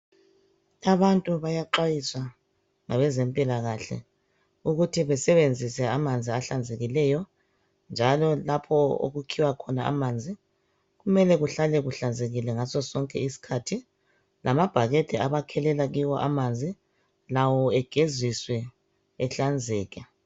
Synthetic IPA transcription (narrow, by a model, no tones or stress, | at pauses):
aβantʼuβajaǃwajiswa | ŋaβɛzɛmpʼilaɣaɬɛ̰ | uɣutʰiβɛsɛβend͡zʱisɛamand͡zʱiaɬand͡zʱeɣilɛjɔ | nd͡ʒʱalɔlapʰɔo̰ɣukʰiwakʰɔnaa̰mand͡zʱi | ɣumɛlɛɣuɬalɛɣuɬand͡zʱeɣilɛŋasɔsɔŋkʼɛisi̥kʰatʰi | lʔamab̥ʱaɣetʰɛaβakʰɛlɛlaɣiwɔʔa̰mand͡zʱi | lawɔɛɡ̥ʱezwiswɛ | ɛɬand͡zʱɛːɣɛ